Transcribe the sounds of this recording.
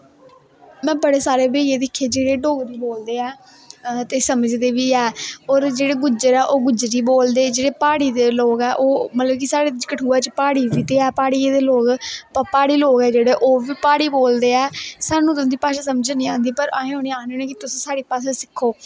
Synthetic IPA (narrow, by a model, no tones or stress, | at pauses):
mɛ̃ːbəɽeːsaːɾeːbeːeːd̪ɪkʰːeːd͡ʒeːɽeːɖoːɡɾiːboːld̪eːɛː | t̪eːsəməd͡ʒd̪eːʋiːɛːɔːɾd͡ʒeːɽeːɡʊd͡ʒəɾɛːʔoːɡʊd͡ʒɾiːboːld̪eːd͡ʒeːɽeːpaːɽiːd̪eːloːɡɛːʔoːmət̪ləb̚kisaːɽeːt͡ʃkəʈʰuːaːt͡ʃpaːɽiːʋiːt̪eːɛːpaːɽiːeːd̪eːloːɡpəpaːɽiːloːɡɛːd͡ʒeːɽeːʔoːʋiːpaːɽiːboːld̪eːɛːsaːnũːt̪ʊnd̪iːpaːʃaːsəməd͡ʒnĩːãːnd̪iːpəɾaːɦẽːɦõːniːãːneːnɛ̃ːkit̪ʊsĩːsaːɽiːpaːsɛ̃ːsɪkʰːoː